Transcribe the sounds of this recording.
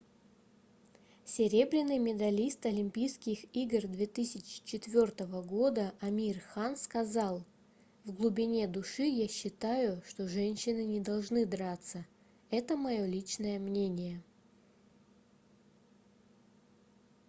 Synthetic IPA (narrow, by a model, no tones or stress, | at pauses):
sʲɪɾʲe̞bɾʲɪnːɨjmʲɪd̪ɐlʲist̪ɐlʲɪmʲpʲijskʲɪxiɡrd̪vʲe̞t̪ɨsʲɪt͡ɕɪ̥t͡ɕɪt̪vʲo̞rt̪əvəɡo̞d̪əʔɐmʲirxanskɐzɑlˠ | vɡlˠʊbʲɪnʲe̞d̪ʊʂɨjaɕːɪt̪ajʊʂt̪o̞ʐɛnʲɕːɪnɨnʲɪd̪ɐlˠʐnɨd̪ɾat̪sə | ɛt̪əmɐjo̞lʲit͡ɕnəjəmnʲenʲɪjə